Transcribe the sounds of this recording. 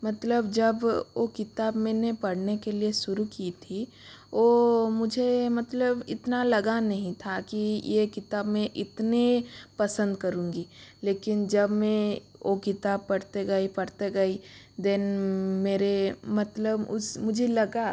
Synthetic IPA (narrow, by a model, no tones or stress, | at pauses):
mɐt̪ləbd͡ʒɐbokɪt̪aːbmẽːnepɐɽnekelieʃʊɾukit̪ʰi | oːmʊd͡ʒʱemɐt̪ləbɪt̪nalɐɡanɐɦĩt̪ʰakijekɪt̪aːbmẽʔɪt̪nepɐsə̃nd̪kɐɾũːŋɡiːleːkɪnd͡ʒɐbmẽokɪt̪aːb̚pɐɽt̪eɡɐipɐɽt̪eɡɐi | d̪ɛnmeːɾemɐt̪ləbʊ̰smʊd͡ʒʱelɐɡa